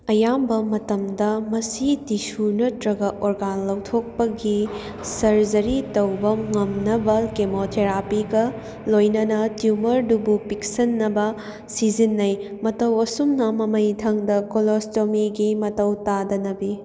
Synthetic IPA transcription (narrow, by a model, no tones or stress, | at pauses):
ɐjambɐmɐtɐmdɐmɐsitisunɐtɾɐɡɐʔoɾɡanlɐwtʰok̚pɐɡi | sɐɾd͡ʒɐɾitɐwbɐŋɐmnɐbɐkemotʰeɾapiɡɐ | lojnɐnɐtjumɐɾdubupiksɐnːɐbɐ | sid͡ʒinːɐjmɐtɐwɐsumnɐmɐmɐjdʰʱɐŋdɐkolostomiɡimɐtɐwtadɐnɐbi